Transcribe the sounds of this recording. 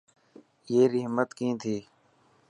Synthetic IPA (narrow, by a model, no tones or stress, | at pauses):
jeːɾɪɦmət̪kĩːt̪ʰiː